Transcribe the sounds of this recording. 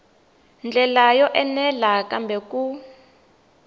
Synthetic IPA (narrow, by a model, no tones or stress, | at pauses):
nd͡ɮʱɛlajɔʔɛnɛlakambʱɛku